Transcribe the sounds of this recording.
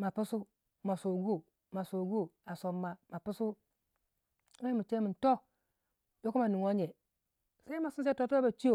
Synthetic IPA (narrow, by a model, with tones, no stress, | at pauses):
ma˨pu˦su˦ | ma˨so˨ɡu˦ | ma˨so˨ɡu˦a˨so˨mːa˦ma˨pu˦su˦ | a˦i˦mu˨t͡ʃe˦mi˨nto˦ | jo˦ku˦ma˨ni˨ŋwa˦ɲe˨ | sa˦i˦ma˨si˦n˦s̬a˦o˦tu˦a˦ba˨t͡ʃi˦jo˨